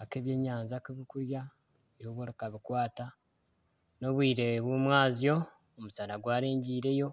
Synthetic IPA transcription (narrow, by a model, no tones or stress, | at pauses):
ake̞ːβje̞ːɲaːnzakiβikuɾja | joβwoɾikaβikwaːta | no̞βwiːɾe̞βumwaːzijo̞ː | musanaɡwaːɾeːɲɟiːɾe̞jo̞